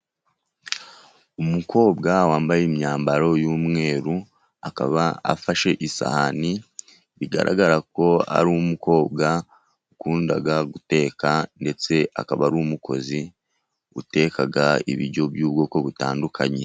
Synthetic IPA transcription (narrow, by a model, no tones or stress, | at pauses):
umuko̞ːbɡawaːmbajemɲaːmbaɾo̞juːmŋe̞ːɾu | akaβaa̰faʃe̞ʔisa̰hani | βiɡa̰ɾʔa̰ɡaɾako̞a̰ɾumuko̞ːbɡa | ukuːndaɡaɡute̞ːkande̞t͡se̞ʔa̰kaβaɾuːmuko̞̰zi | ṵte̞kaɡaḭβḭɾɟo̞bjuːbɡo̞ːko̞βutaːndukʰaɲe̞